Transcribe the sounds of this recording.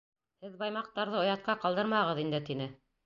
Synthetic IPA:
hɘðbɑjmɑq̚t̪ɑɾðɤŏjɑt̪̚qɑqɑlˠd̪ɤɾmɑʁɤ̆ðind̪ɘt̪inɘ

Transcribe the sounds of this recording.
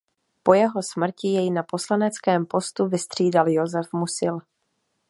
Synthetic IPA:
po̞jɛɦo̞smr̩cɪjɛjnapo̞slanɛt͡skɛːmpo̞st̪uvɪst̪r̝̥iːdaljo̞zɛfmusɪl

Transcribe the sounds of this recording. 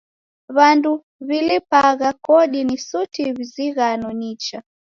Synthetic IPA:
βandu | βilipaɣakɔɗinisutiβiziɣanɔnit͡ʃa

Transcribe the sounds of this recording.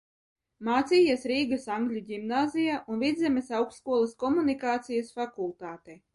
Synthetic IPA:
maːt̪siːjasɾiːɡɐsaŋɡlʲuɟʲimnaːzijaʔunvʲid̪zʲɛmʲesawkskuɔlˠɐskɔmunikaːt̪sijasfakulˠt̪aːt̪ɛ

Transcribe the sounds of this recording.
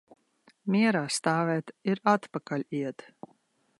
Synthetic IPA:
mʲiɛɾaːst̪aːvɛːt̪iɾat̪pakalʲiɛt̪

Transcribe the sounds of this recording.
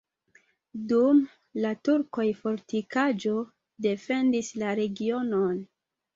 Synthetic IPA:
dum | latuɾko̞jfo̞ɾtikad͡ʒo̞ | de̞fe̞ndislaɾe̞ɡio̞no̞n

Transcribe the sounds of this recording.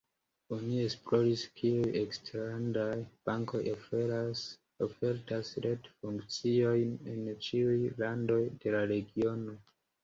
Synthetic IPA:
o̞nie̞splo̞ɾiskʰiujeksteɾandajb̥aŋko̞j | ofe̞ɾtasɾe̞tfuŋkt͡sio̞jne̞nt͡ʃiujlando̞jde̞laɾe̞ɡio̞no̞

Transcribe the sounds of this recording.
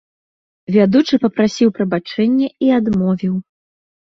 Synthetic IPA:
vʲad̪ut͡ʂɨpɐpɾasʲiwpɾɐbat͡ʂɛnʲːɛiad̪mɔvʲiw

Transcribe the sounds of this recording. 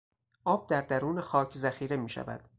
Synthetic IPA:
ʔɒːb̥̚d̪æɾd̪æɾuːnexɒːcʰzæxiːɾemiːʃæ̰væ̰d̪̥

